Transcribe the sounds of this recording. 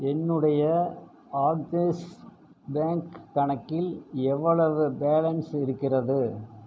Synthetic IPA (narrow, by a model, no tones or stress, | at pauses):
ɛnːɯɽɐjɐ | aːɖ̚tes | baːŋkt̪ɐɳɐkːɪlɛʋːɐɭɐʋɯbeːlɐnsɪɾɯkːɪrɐðɯ